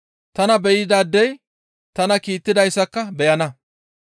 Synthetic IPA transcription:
t̪ɐnɐbɛjɪd̪aːd̪ːɛj | t̪ɐnɐkiːt̪ːɪd̪ɐjsːɐkːɐbɛjɐnɐ

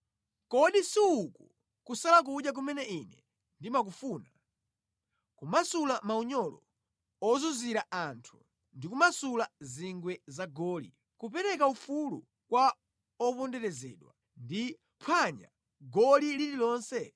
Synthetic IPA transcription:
kɔɗisiuku | kusalak̬uɗjak̬umɛnɛinɛ | ndimak̬ufuːna | kumasulamauɲɔlɔ̰ | ɔzuziɾaʔantʰu̥ | ndikumasulaziŋɡwɛzaɡɔːlḭ | kupɛɾɛkaufulṵ | kwa | ɔpɔndɛɾɛzɛ̰ːɗwa | ndi | pʰwaɲa̰ | ɡɔlilililɔːnsɛ

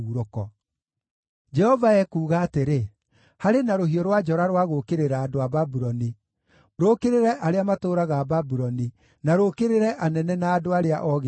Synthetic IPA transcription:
uɾokɔ | d͡ʒɛhɔvaɛkuːɣaːteɾe | haɾenaɾoɦiɔɾwad͡ʒɔɾaɾwaɣokeɾeɾaːdoababuɾɔni | ɾokeɾeɾɛʔaɾeamatoːɾaɣaːbabuɾɔni | naɾoːkeɾeɾɛʔanɛnɛnaːdoaɾeaʔɔɣ

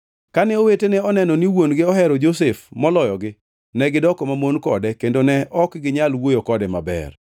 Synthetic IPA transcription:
kanɛowetenɛɔnɛnɔniwonɡɪɔɦɛɾɔd͡ʒosefmɔlɔjɔɡɪ | nɛɡɪdɔkomamonkɔ̰dɛkendonɛʔɔkɡɪɲalwojokɔdɛma̰bɛ̰r

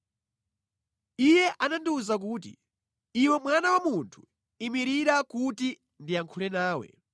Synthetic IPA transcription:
ijɛʔanandiuzak̬uːt̬ḭ | iwɛmwanawamuntʰu̥ | imiɾiɾakuti | ndiaŋkʰulɛnaːwɛ̰

